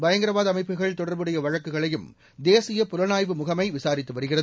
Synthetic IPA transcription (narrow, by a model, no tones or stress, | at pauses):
bɐjɐŋɡɪɾɐʋaːðɐmɐɪpːɯɣɐɭt̪ɔɽɐɾbɯɽɐjɐʋɐɻɐkːɯɣɐɭɐjɯm | d̪eːsɪjɐpʊɾɐnaːjʋɯmʊɣɐmɐɪʋɪsaːɾɪt̪ːɯʋɐɾɯɣɪrɐðɯ